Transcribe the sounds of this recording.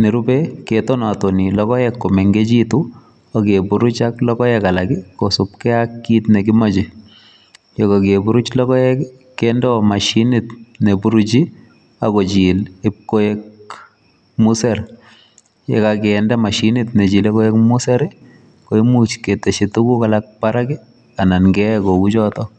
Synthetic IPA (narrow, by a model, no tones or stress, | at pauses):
neɾupɛketɔnatɔnilɔkɔjɛkːomeŋɡet͡ʃitu | akepuɾut͡ʃaklɔkɔjɛkalakikosupkɛakːitnek̬ɪmat͡ʃi | jɔkokebuɾut͡ʃlɔkɔɛ | kɛndɛɔmaʃinitnebuɾut͡ʃi | akot͡ʃilip̚kojek̚ | museɾ | jḛkakɛndɛmaʃinɪtnet͡ʃilekojɛkmuseɾi | koimut͡ʃketeʃitukukalak̚paɾakɪ | ananɡɛkokut͡ʃɔtɔ